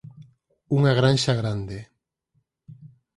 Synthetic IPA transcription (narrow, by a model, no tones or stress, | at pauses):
uŋaɣɾanʃaɣɾand̪e